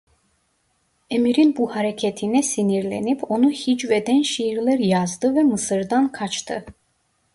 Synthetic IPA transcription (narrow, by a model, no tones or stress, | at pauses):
ɛmiɾinbuhaɾɛkʰɛt̪ʰinɛsiniɾlɛ̰nipʰɔnuhit͡ʃvɛd̪ɛnʃiɾlɛɾjazd̪ɨvɛmɨsɨɾd̪ankʰat͡ʃʰt̪ʰɨ